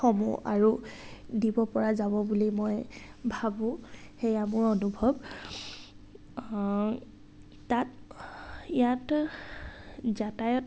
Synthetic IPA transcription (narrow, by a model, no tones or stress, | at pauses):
xɔmṵʔa̰ɹudibɔpɔɹazabɔbulimɔjbʱabʊ̃xejamʊɹɔnubʱɔb | at | ijat | zatajɔt